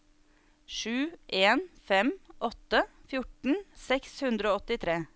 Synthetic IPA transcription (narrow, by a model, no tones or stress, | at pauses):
ʃʉːʔeːnfɛmʔɔt̪əfjʊʈn̩sɛkshʉnd̪ɾəoːɔt̪ɪt̪ʰɾeː